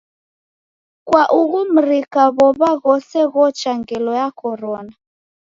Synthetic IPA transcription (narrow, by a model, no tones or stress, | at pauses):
kwaʔuɣum̩ɾikaβɔβaɣɔsɛɣɔt͡ʃaŋɡɛlɔjakɔɾɔna